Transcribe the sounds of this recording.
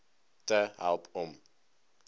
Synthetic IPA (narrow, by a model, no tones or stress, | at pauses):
təɦæ̰lˠpɔm